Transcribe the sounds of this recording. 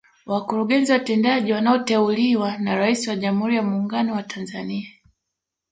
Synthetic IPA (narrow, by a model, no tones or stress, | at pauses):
wakuɾuɠɛnziwatɛndaʄiwanaɔtɛuliwanaɾaisiwaʄam̩uhuɾijamuːŋɡanɔwatʰanzania